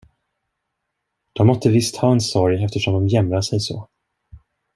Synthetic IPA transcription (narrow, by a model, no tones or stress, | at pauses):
d̪̥ɔmːɔt̪ːəvɪst̪hɑːɛnsɔɾjɛft̪əʂɔmd̪ɔmjɛmɾaʂɛjsɔ̰